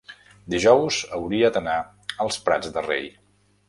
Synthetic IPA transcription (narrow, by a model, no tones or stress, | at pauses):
d̪iʒɔwzəwɾiəd̪əna | əlˠspɾa̰d͡zd̪ərḛj